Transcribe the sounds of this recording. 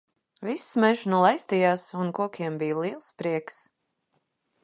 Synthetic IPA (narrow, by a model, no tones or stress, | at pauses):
visːmɛʒnulˠajst̪ijaːsunkuɔkʲʰiɛmbijlˠiɛlˠspɾiɛks